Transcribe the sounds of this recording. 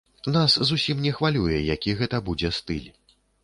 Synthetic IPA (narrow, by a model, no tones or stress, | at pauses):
naszusʲimnʲɛxvalʲujɛjakʲiɣɛt̪ɐbud͡zʲɛst̪ɨlʲ